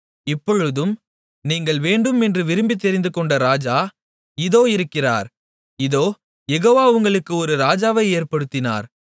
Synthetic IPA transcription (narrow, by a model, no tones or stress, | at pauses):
ɪpːɔɻɯðɯm | niːŋɡɐɭʋeːɳɖɯmɛndrɯʋɪɾɯmbɪt̪ːɛɾɪnd̪ɯkɔɳɖɐɾaːd͡ʒaː | ɪðoːɪɾɯkːɪra̰ːɾ | ɪðoː | jɛɣoːʋaːʊŋɡɐɭɯkːɯɔɾɯɾaːd͡ʒaːʋɐɪeːɾpɐɽɯt̪ːɪna̰ːɾ